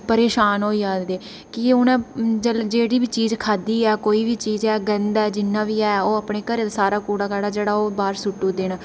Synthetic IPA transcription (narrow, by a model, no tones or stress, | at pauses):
pəɾeːʃaːnɦoːiːaːd̪eː | kɪʊnɛ̃ːd͡ʒəld͡ʒeːɽiːbiːt͡ʃiːzkʰaːd̪iːɛːkoːiːʋiːt͡ʃiːzɛːɡənd̪ɛːd͡ʒɪnːãːʋiːɛːoːəpɳeːkəɾeːt̪asaːɾaːkuːɽaːkəːɽaːd͡ʒeːɽaːoːbaːɾsʊʈːũːd̪eːɳ